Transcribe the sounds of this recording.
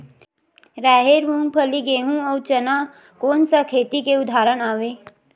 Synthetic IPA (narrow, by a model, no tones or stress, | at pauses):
ɾɛːɦeɾʋũːŋɡ̚pʰəliɡeːɦũɔt͡ʃɐna | koːnsakʰeːt̪ikeʊd̪ʱaːɾənaːʋeː